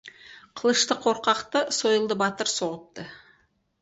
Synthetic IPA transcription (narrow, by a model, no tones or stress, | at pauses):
qʰəlˠəʃt̪əqʰːo̞ɾqɑqt̪əso̞jəlˠd̪əbɑt̪əɾso̞ʁəp̚t̪ə